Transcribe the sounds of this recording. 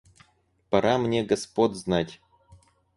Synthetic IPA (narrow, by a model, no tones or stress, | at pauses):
pɐɾʔamnʲeɡɐspod̪ʲznatʲ